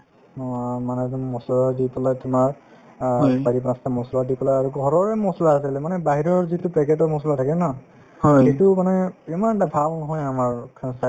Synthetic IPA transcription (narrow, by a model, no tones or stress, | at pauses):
nɔamanɛmɔsɔladipɔlajtʊmaɹ | baɹip̬ãsamɔsɔladipɔlaaɹuɡɔɔɹɔɹɛmɔsɔlaasilɛmanɛbaɦiɹɔɹzitʊpɛkɛtɔɹmɔsɔlatʰakɛna | hɔxetʊmanɛimanʈabʱalnɔɦɔjamaɹkʰasa